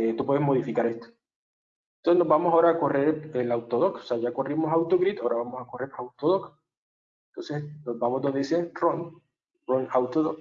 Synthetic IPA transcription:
et̪upweezmo̞ð̞ifikaɾe̞st̪o̥ | nonsenozβamosaoɾaːko̞re̞ɾelawt̪oð̞oko̥seaʝako̞rimo̞sawt̪oɣɾit̪aoɾaβamosakore̞ɾawt̪oð̞ok | ent̪onsesnoβamozd̪oβeseroŋ | roŋawt̪oðo

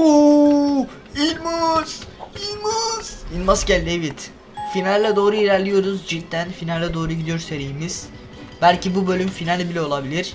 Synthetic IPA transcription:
u | ilʲmuz̥ilʲmuz̥inmascælʲd̪evit̪ | finalʲlːʲɛd̪o̞ːɾuilʲæɾlʲijo̞ɾuzd͡ʒit̪ʰːænfinalʲlːʲɛd̪o̞ːɾuɟid̪ijo̞ɾse̞ɾijimiz̥ | bælʲcʰibubølʲymfinalʲbilʲɛolˠabilʲiɾ̥

